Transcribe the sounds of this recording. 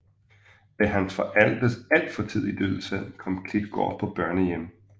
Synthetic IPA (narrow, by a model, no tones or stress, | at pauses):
mæɦænsfɒ̽ʔæl̰d̥əsˠæl̰d̥fɒ̽t͡sʰið̰ˠid̥øð̩ˠsæð̰ˠkʰɒ̽m̰kʰlid̥̚ɡ̥ɒ̰ːpʰɒ̽b̥ɶɐnəjem